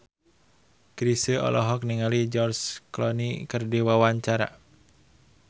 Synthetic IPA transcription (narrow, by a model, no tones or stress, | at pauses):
kɾisəɔ̰lʔɔɦɔk̚niŋalid͡ʒɔrsklɔnikɨrdiwawaɲt͡ʃaɾa̰